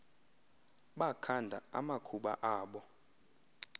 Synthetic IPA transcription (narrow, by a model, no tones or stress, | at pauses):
ɓakʰandʱa̰a̰makʰuɓa̰ʔaːɓɔ